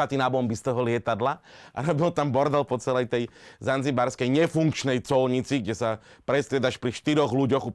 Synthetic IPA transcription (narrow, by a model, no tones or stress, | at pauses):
at̪inabɔmbist̪ɔɦɔlɪɛt̪ad̪laʔa̰ɾɔbilt̪ambɔɾd̪ɛlpɔt͡sɛlɛjt̪ɛjzanzibaɾskɛjɲɛfuŋkt͡ʃnɛjt͡sɔlɲit͡siɡ̚ɟɛsapɾɛst̪ɾɪɛd̪aʃpɾiʃt̪iɾɔɣluɟɔɣu